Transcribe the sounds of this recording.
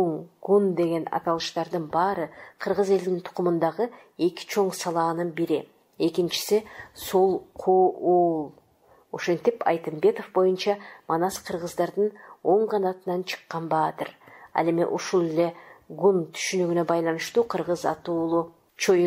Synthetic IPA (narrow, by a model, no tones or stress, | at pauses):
oŋɡ̥und̪e̞ɡʲe̞nɑ̰t̪ɑlˠɯʃt̪ɑɾd̪ɯnbɑːɾəqʰəɾʁəze̞ld̪ɪnt̪ʰʊ̥qʊmɯnd̪ɑʁə | e̞kʲi̥t͡ʃʰo̞ɴsɑlˠɑːnɯnbiɾɪ | e̞kʲint͡ʃɪ̥sisolˠqʰouːlˠ | o̞ʃe̞nt̪ipɑ̰jt̪ɨmbe̞t̪o̞fbo̞junt͡ʃɑmɑnɑsqʰəɾʁəzd̪ɑɾd̪ɨno̞ɴqʰɑnɑt̪ɯnɑnt͡ʃʰɨ̥qːɑnbɑːt̪ɨɾɑ̰le̞mḭʔuʃulˠele̞ɡunt̪ʰy̥ʃynyɡyne̞bɑjlˠɑnɯʃt̪uːqʰəɾʁəzɑ̰t̪uːlˠu | t͡ʃʰo̞j